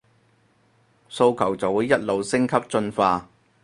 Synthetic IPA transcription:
so˧wkʰɐ˨˩wt͡sɐ˨wuː˨˧˥jɐ˥t̚lo˨wsɪ˥ŋkʰɐ˥p̚t͡ʃɵ˧nfaː˧

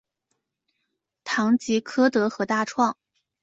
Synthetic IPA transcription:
t̪ʰɑ˧˥ŋt͡ɕi˧˥kʰɤ˥t̪ɤ˧˥xɤ˧˥t̪a˥˧ʈ͡ʂʰwɑ˥˩ŋ

